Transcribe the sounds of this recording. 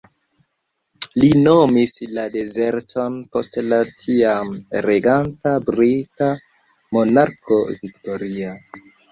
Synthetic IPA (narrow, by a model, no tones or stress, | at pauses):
lino̞mislade̞ze̞ɾto̞npo̞stlatʰiamɾeɡantabɾita | monaɾko̞vikto̞ɾia